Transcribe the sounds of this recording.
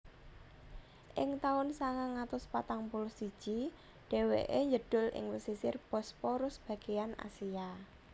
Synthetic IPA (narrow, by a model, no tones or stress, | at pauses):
ʔɪŋt̪aʊnsaŋaŋat̪ʊspat̪aŋpulʊsid̥ʒ̥i | ɖ̥e̤wḛʔeɲd͡ʒəɖ̥ʊ̤lɪ̰ŋwəsisɪrpɔspɔɾʊsb̥ä̤ɡ̥ejana̰sia